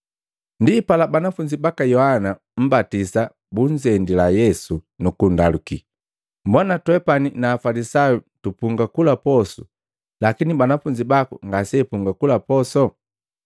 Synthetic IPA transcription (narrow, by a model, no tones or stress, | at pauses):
ndipalabanafuɲd͡ʒibakajɔhana | m̩batisa | buɲd͡ʒɛndilajɛsunukundaluki | mbwanatwɛpaninaːfalisajutupuŋɡakulapɔsu̥̰ | lakinibanafuɲd͡ʒibakṵŋɡasɛpuŋɡakulapɔsɔ